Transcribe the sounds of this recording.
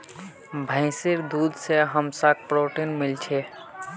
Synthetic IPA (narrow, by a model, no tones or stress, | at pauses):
bʱə̃ɪsɪɾd̪uːd̪seɦəmsak̚pɾoːʈinmɪlt͡ʃʰe